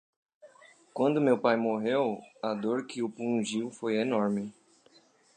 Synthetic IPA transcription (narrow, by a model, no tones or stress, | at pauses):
kwɐ̃nd̪ʊmewpajmoɦewɐd̪oɾkʰɪʊpũʒiwfojenɔɾmɪ